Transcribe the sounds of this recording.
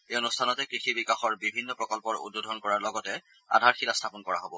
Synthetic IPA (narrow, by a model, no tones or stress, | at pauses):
eonustʰanɔtɛkɹixibikaxɔɹbibʱinːɔpɹɔkɔlpɔɹṵd̚bodʱɔnkɔɹaɹlɔɡɔtɛ | a̰dʱaɹxilastʰapɔnkɔɹa̰ɦobɔ